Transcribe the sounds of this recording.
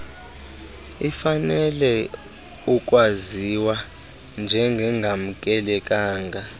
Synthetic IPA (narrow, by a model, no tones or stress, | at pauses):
ifanɛlɛ | uk̬ʼwaziwa | nd͡ʒʱɛŋɡʱɛŋɡʱam̩kʼɛlɛkʼaːŋɡʱa